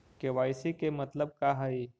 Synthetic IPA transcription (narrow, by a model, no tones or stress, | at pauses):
keʋaːjsikemɐt̪ləb̚kaɦəi